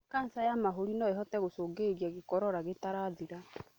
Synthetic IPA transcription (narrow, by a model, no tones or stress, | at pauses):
kansajamaɦoɾinɔeɦɔtɛɣosoːɡeɣijaɣekɔɾɔɾaɣetaɾaðiɾa